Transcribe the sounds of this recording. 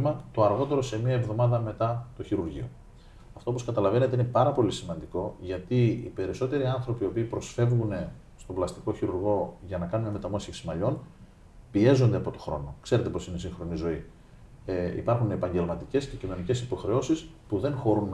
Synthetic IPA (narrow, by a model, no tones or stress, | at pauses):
mɐt̪o̞ɐɾɣo̞t̪e̞ɾo̞se̞miɐevðo̞mɐðɐme̞t̪ɐt̪o̞çiɾuɾʝḭo̞̰ | ɐft̪op̬oskɐt̪ɐlɐve̞ne̞t̪eine̞pɐɾɐpo̞lisimɐnd̪iko̞ʝɐt̪iḭpe̞ɾiso̞t̪e̞ɾiɐnθɾo̞piopiːpɾo̞sfe̞vɣune̞ | st̪oblɐst̪i̥ko̞çiɾuɾɣo̞ʝɐnɐkɐnuneme̞t̪ɐmosiksimɐʎo̞n | pie̞zo̞nd̪eɐpo̞t̪oxɾo̞̰nokse̞ɾe̞t̪e̞po̞sine̞siŋxɾo̞nizo̞i | ḭpɐɾxunepɐɲɟe̞lmɐt̪ice̞sce̞cino̞nice̞sipo̞xɾe̞o̞sispuðe̞ŋxo̞ɾun